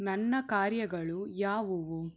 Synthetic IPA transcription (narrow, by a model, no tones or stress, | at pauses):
nɐnːɐkaːɾjɐɡɐɭujaːʋuʋu